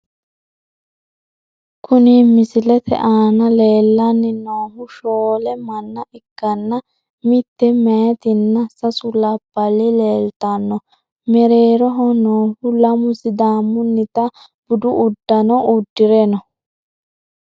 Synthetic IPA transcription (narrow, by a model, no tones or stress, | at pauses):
kʰʊnimɪsɪlɛt̪ʰɛ̰ʔaːnɐleːlːɐnːɪnoːɦʊʃoːlɛmɐnːɐʔɪkːɐnːɐ | mɪt̪ːɛmeːt̪ɪnːɐsɐsʊlɐb̥ːɐlɪleːlt̪ɐnːɔ | mɛɾeːɾɔɦɔnoːhʊlɐmʊsɪd̪aːmːʊnːɪt̪ɐ | b̥ʊd̪ʊʔːd̪ːɐnɔʔʊd̪ːɪɾɛnɔ